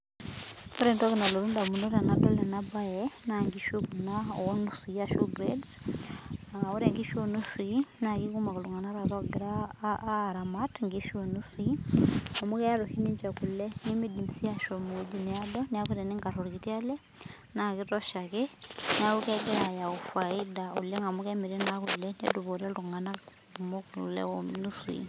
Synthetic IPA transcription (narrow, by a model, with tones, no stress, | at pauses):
o˦ɾe˨ntɔ˦ki˨na˨lo˨ɾu˦nda˨mu˨no˦ɾa˨na˦dɔ˦lɛ˨na˦ba˦jɛna˨ŋɡi˦ʃu˦ku˨naɔ˨wɔ˦nu˦si˨aʃo˦ɡɾɛds | ao˦ɾɛ˨ŋɡi˦ʃo˨nu˦si˨na˨ki˦ku˦ma˨ku˨lu˨ŋa˨na˦ɾa˨βɔ˦ɡi˨ɾa˨ | ɾa˨matŋɡi˦ʃo˨nu˦siŋa˨mu˦kɛ˦ja˦ɾuhi˦ni˦ɲd͡ʒaku˨lɛnimi˦di˨msi˦a˦ʃomuud͡ʒi˦nea˦dɔnia˦kuɾɛ˨ni˦ŋɡa˨ɾo˨ɾkiti˦a˦lɛ˦ | na˨kitɔʃakenja˦ku˦kɛɡeɾaja˨u˨faida˨ṵ˨le˦ŋɡa˨mukɛmi˨ɾe˦naku˨lɛnḛduβo˨ɾɛ˦luŋa˨na | umokulɛ̰onusṵḭ